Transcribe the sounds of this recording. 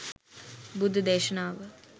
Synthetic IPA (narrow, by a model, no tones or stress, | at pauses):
bud̪ʱud̪eːʃənaːʋə